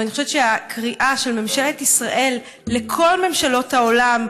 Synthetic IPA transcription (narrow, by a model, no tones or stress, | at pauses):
aniχoʃevt̪t͡ʃeakʁiʔaʃelme̞mʃeletisʁaʔe̞lː | ekʰo̞lme̞mʃalo̞thao̞lam